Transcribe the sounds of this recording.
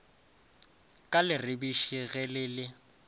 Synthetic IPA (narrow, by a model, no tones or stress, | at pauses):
kʼalɪrɪbiʃiɣɛlɪlɪ